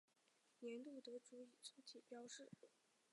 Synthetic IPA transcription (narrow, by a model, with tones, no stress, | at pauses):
jɛ˧˥nt̪u˥˩t̪ɤ˧˥ʈ͡ʂu˧˥i˨˩ʂɤ˥t͡ɕʰi˨˩pjɑ˥ʊʂɻ̩˥˩